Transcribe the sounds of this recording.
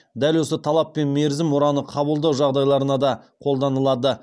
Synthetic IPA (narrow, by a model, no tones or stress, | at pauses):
d̪ælwo̞sət̪ʰɑlˠɑpːe̞nme̞ɾzɪmoɾɑnəqʰɑbəlˠd̪ɑwʒɑʁd̪ɑjlˠɑɾənɑd̪ɑqʰo̞lˠd̪ɑnəlˠɑd̪ə